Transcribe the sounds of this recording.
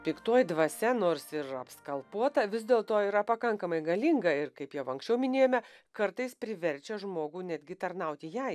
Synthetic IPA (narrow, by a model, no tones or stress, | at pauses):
pʲɪkt̪oɔjd̪ʋɐsʲɛnoːrsɪɾɐpskɐlˠpuɔt̪ɐʋʲɪzd̪ʲeːlˠt̪oːiːɾɐpɐkɐŋkɐmɐɪɡɐlʲiŋɡɐɪɾkɐɪpjɛʊɐ̃ŋksʲt͡ʃʲɛʊmʲɪnʲeːjomʲɛkɐɾt̪ɐɪspʲɾʲɪʋʲɛɾʲt͡ʃʲɛʒmoːɡuːnʲæd̪ʲɡʲɪt̪ɐɾnɐʊt̪ʲɪjɛɪ